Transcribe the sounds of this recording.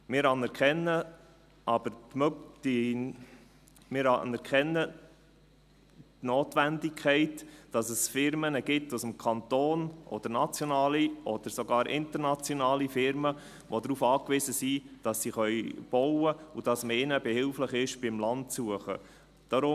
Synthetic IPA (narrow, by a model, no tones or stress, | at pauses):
mɪɾɑnɛɾkʰɛnːə | ʔɑb̥əɾtmdi | mɪɾɑnɛɾkχɛnːə | tnoːtʋændɪkʰχɛɪtd̥ɑsəsfɪɾmənəɡɪtːʊsəmkʰɑntoːnʔɔ̰d̥əɾnɑt͡sjonɑːliʔɔd̥əɾsoɡɑːɾʔɪ̰nt̪əɾnɑt͡sjonɑːlifɪɾmə | ʋod̪ɾuːfɑːkʋɪzəsid̥ɑsːiχœʏb̥ɔwəud̥ɑsməɪnəbɛhɪlfləχɪʃb̥ɪmlɑntsuəχə̰ | d̥ɑɾʊ